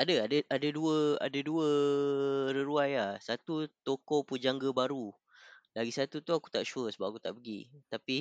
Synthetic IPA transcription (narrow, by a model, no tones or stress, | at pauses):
adəadəʔadəduəa̰dəduə | ɾəɾuajahsat̪ut̪okɔpud͡ʒaŋɡəbaɾu | laɡisat̪ut̪uaku̥t̪aʔʃuəsəbapakut̪a̰ʔpəɡḭt̪api